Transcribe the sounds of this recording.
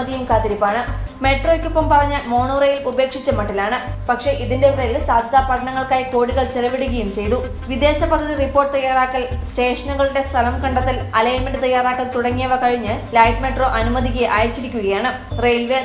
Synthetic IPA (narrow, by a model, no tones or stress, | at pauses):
ɐðijumkaːt̪iɾipːaːɳɨme̞ʈrokʲːupːɐmpɐrɐɲːalmo̞ːɳoːrejilube̞ːkʂit͡ɕːɐmɐʈːilaːɳɨpɐkʂe̞ʔiðindereilsaːd̪ʱjɐðaːpɐʈʰɐɳɐŋːɐɭkaːjiko̞ːɽiɣɐɭt͡ɕelɐʋiɽuɣɐjumt͡ɕe̞jðu | ʋid̪e̞ːɕɐpɐd̪ʱːɐðiripːo̞ːrʈːɨt̪ɐjːaːraːkːɐlsʈe̞ːʂɐnuɣɐɭuɽe̞st̪ʰɐlɐmkɐɳɖɐt̪ːilɐleːmeɳɖɨt̪ɐjːaːraːkːɐlt̪uɽɐŋːijɐʋɐkɐɻiɲːɨlɐjʈmeʈro̞ːʔɐnumɐd̪ikeʔaːjɐt͡ɕːiɾikʲːuɣɐjaːɳɨ | rejlʋe